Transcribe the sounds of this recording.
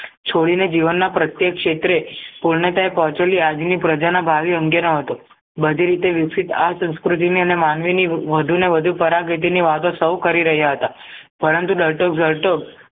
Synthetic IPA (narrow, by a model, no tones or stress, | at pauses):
t͡ʃʰoɽined͡ʒiʋənːapɾət̪jekːʃet̪ɾepuɭɳet̪aepɔɦt͡ʃoliad͡ʒnipɾəd͡ʒanabʱaʋiə̃ŋɡenəɦət̪o | bəd̪ʱiɾit̪eʋɪksit̪asə̃skɾut̪̬iniənemanʋiniʋəd̪ʱuneʋəd̪ʱupəɾaɡit̪̬iniʋat̪õsəwkəɾiɾəɦjaɦət̪apəɾənt̪uɖəɾʈokzəɭʈok